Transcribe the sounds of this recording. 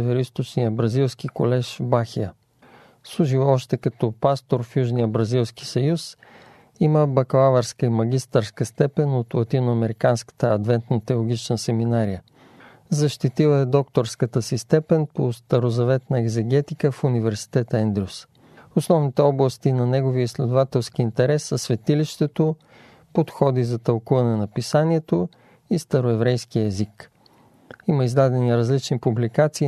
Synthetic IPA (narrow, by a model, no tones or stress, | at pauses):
vɛɾist̪ot͡ʃnijəbɾɐzilˠsk̟ikolɛʃbaxijə | slˠuʒivɔʃt̪ɛkɐt̪ɔpast̪oɾfjuʒnijəbɾɐzilˠski̥sɐjus | iməbɐklˠavəɾskəimɐɡ̟ist̪əɾskəst̪ɛpɛnot̪lˠɐt̪inʊɐmɛɾikanskə̥t̪əɐd̪vɛnt̪not̪ɛlˠʊɡ̟it͡ʃnəsɛminaɾijə | zɐʃt̪it̪ilˠəɛd̪ɔk̚t̪oɾskət̪əsist̪ɛpɛnpost̪ɐɾozɐvɛt̪nəɛɡzɛɡʲɛt̪ikəfunivɛɾsi̥t̪ɛt̪əɛnd̪ɾus | osnɔvnit̪ɛɔblˠɐst̪inɐnɛɡoviəislɛd̪ovat̪ɛlˠsk̟iːnt̪ɛɾɛsːɐsvɛt̪iliʃt̪ɛt̪o | pot̪xɔd̪izɐt̪ɐlˠkuvɐnɛnɐpisaniɛt̪o | ist̪ɐɾoɛvɾɛjsk̟ijəɛzik | iməizd̪ad̪ɛniɾɐzlit͡ʃnipublikat̪siː